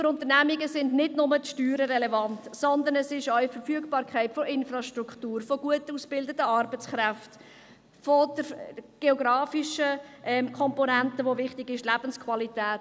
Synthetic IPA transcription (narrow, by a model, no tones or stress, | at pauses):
fəɾʊnt̪ənæmiɡəsɪndnɪdnʊmətʃtyːɾəɾɛlɛvɑntsɔnd̪əɾnɛsɪʃœɥfəɾfyəɡbɑːɾkʰχæɪtfɔʔɪnfɾɑʃtɾuktuːɾfɔɡuətusb̥ɪldətəɑɾbət͡skɾæft | fɔd̥əɾɡ̥eɔɡɾɑːfiʃəʔɛmkʰɔmpɔnæntəʋovɪχtɪɡɪʃlæb̥ənskʰvɑlitæːt